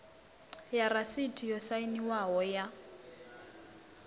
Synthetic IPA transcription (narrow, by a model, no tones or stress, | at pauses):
jarasitʰijɔsainiwaɦɔja